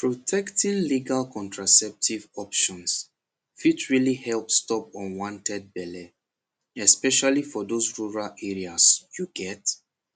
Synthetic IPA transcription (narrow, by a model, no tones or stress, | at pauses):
pʰɹotʰɛktĩnliɡalkʰɔ̃ntɹasɛp̚tʰivɔpʃɔ̃ns | fitʰɹilihɛlpstɔpɔ̃nwɔ̃ntʰɛd̚bɛlɛ | ɛspɛʃalifɔdosɹuɹalɛɹiasjuɡɛt